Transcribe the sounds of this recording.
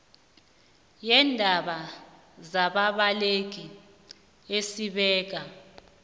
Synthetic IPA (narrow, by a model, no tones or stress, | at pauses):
jɛndʱaɓa | zaɓaɓaleɡ̬i | esiɓɛːk̬a